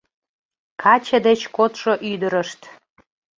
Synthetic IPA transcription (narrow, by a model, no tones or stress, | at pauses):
kʰɑt͡ɕə̆d̪et͡ɕkot̪ʃoʔyd̪əɾəʃt̪